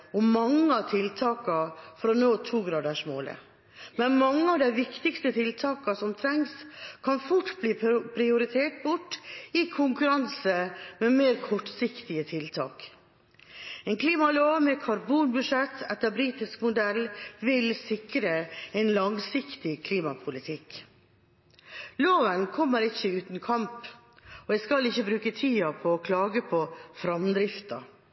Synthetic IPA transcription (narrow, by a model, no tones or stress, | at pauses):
ɔmɑŋːəɑt̪ʰɪlt̪ʰɑːkɑfɔɾɔnoːt̪ʰuːɡɾɑːd̪æʂmo̰ːlə̰ | mɛnmɑŋːəɑʋd̪æɪʋɪkt̪ɪkst̪ət̪ʰɪlt̪ʰɑːkɑsɔmt̪ʰɾɛŋskʰɑnfʊʈːbliːpʰɾɪʊɾɪt̪ʰeːʈ̚bʊʈːɪkʰʊŋkʉɾɑnsəmɛmeːɾkʰɔʈːsɪkt̪ɪət̪ʰɪlt̪ʰɑ̰ːk | ɛnkʰliːmɑloːʋmɛkʰɑɾbuːnbʉʂɛt̪ʰːɛt̪ːəɾbɾiːt̪ɪskmʊd̪ɛlʋɪlsɪkɾəɛɪnlɑŋsɪkt̪ɪkʰliːmɑpʰʊlɪt̪ʰɪk | loːʋənkʰɔmːəɾɪçːəʉːt̪n̩kʰɑmp | ɔjæskɑlɪçːəbɾʉːkət̪ʰiːɑpʰɔːkʰlɑːɡəpʰɔfɾɑmd̪ɾɪft̪ɑ